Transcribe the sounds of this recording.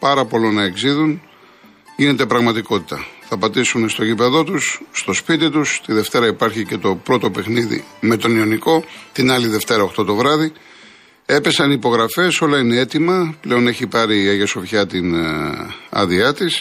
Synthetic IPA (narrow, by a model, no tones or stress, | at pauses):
pɐɾɐpo̞lo̞nɐe̞ɡziðun | ʝine̞t̪e̞pɾɐɣmɐt̪iko̞t̪i̥t̪ɐθɐpɐt̪isunst̪o̞ʝipe̞ðo̞t̪usːt̪o̞spit̪it̪ust̪iðe̞ft̪e̞ɾɐipɐɾçice̞t̪o̞pɾo̞t̪o̞pe̞xniðḭme̞t̪o̞nioniko̞t̪inɐliðe̞ft̪e̞ɾɐoxt̪o̞t̪o̞vɾɐði | e̞pe̞sɐnipo̞ɣɾɐfe̞so̞lɐine̞e̞t̪imɐple̞o̞ne̞çipɐɾiɐʝɐso̞vçɐt̪in | ɐ̰ðiɐt̪is